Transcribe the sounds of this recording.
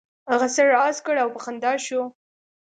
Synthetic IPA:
haɣasəɾɑzkəɽawpəxand̪ɑʃo

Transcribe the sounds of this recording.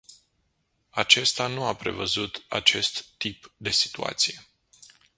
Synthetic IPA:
at͡ʃe̞st̪anuapɾe̞̰vəzut̪a̰t͡ʃe̞st̪ːipd̪e̞si̥t̪ua̰t̪sije̞

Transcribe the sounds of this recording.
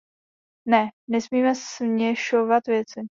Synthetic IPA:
nɛnɛsmiːmɛsɲɛʃovat̪vjɛt͡sɪ

